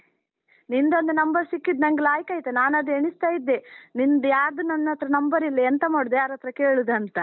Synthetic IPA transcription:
nind̪ɐnd̪ɐnɐmbɐɾsikːid̪nɐŋɡlaːjikɐːjit̪ːenaːnɐd̪eɳist̪aːjid̪ːenind̪jaːɾd̪unɐnːɐt̪ːɾɐnɐmbɐɾilːɐent̪ɐmaːɽud̪jaːɾɐt̪ːɾɐkeːɭud̪ɐnt̪ɐ

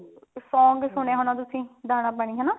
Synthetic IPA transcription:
sɔːŋɡsʊɳ̃eːɦonaːt̪ʊsĩːd̪aːñãːpəɳ̃ĩːɦɛːnaː

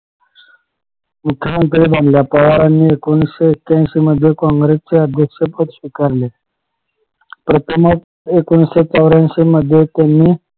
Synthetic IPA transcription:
mukʰːjəmənt̪ɾiːbʱãnljapəʋaɾanːiekonseːkːãnsiməd̪ʱːjekɔ̃ŋɡɾest͡seəd̪ʱjəkʂepət̪ɕʋikaɾle | pɾət̪əmək | ekonset͡səwɾãnɕiməd̪ʱːjet̪janːiː

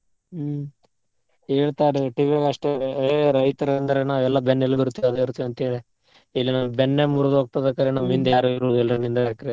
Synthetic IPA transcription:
ɦeːɭt̪aːɾeʈiʋiaɡɐʂʈeeɾɐjt̪ɐɾɐnd̪ɐɾe̞naːʋɛlːɐbenːelːuɡiɾut̪ːiiɐd̪eiɾut̪ːiɐnt̪eːde | ilːinaːʋɐbenːemuɾɐd̪ɦoːɡ̚t̪ad̪ɐkːɐɾenɐmind̪aːɾuiɾod̪uɛlːɐɾɐnind̪ɐekːɐɾe

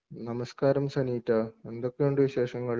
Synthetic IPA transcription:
nɐmɐskaːɾɐmsɐniːt̪ːɐe̞nd̪okːejuɳɖɨʋiɕe̞ːʂɐŋːɐɭ

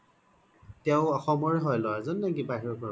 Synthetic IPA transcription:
tɛʊɔxɔmɔɹɛɦɔjlɔwazɔnːaɡibaɦiɹɔkɔ

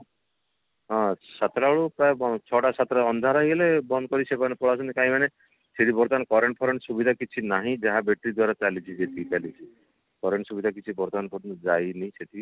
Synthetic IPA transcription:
ɦɔ̃sat̪ɾaɭupɾaebɔt͡ʃʰɔʈasat̪ɾaɔnd̪ʱaɾaɦilebɔnd̪kɔɾisepanepɔɭasɔnikaɦĩmane | seʈibɔɾt̪ankɔɾeɳʈ̚pʰɔɾeɳʈsubid̪ʱakit͡ʃʰinaɦĩd͡ʒaɦabeʈɾid̪waɾat͡ʃalit͡ʃʰid͡ʒet̪ikalit͡ʃʰi | kɔɾeɳʈsubid̪ʱakit͡ʃʰibɔɾt̪anpʰɔɾnd͡ʒajniseʈʰi

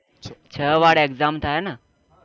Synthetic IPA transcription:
t͡ɕʰəːʋaɽekd͡zamt̪ʰaɛna

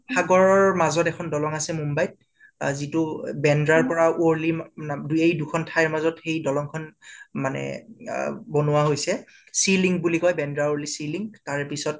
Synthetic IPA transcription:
pʰaɡɔɹɔɹmazɔtɛkʰɔndɔlɔŋasɛmumbajt̚ | zitʊbɛndɹaɹpɔɹaoɹliduejdukʰɔntʰajɹmazɔtxejdɔlɔŋkʰɔnmanɛ̰ | bɔnʊwaɦojsɛ | siliŋɡbulikɔjbɛndɹaoɹlisiliŋtaɹɛpisɔt̚

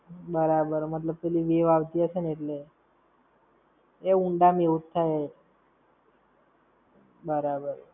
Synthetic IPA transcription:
bəɾabəɾmət̪̬ləb̚pɛliʋeʋaʋt̪iət͡ʃʰeneeʈle | eũɳɖameut̪t̪ʰːaj | bəɾabəɾ

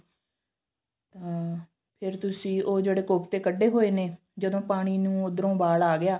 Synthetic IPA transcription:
t̪ãː | pʰɪɾt̪ʊsĩːʔoːd͡ʒeːɽeːkoːpt̪eːkəɖːeːɦoːeːneː | d͡ʒəd̪õːpaːɽ̃iːnũːʊd̪ɾõːbaːɽaːɡɪjaː

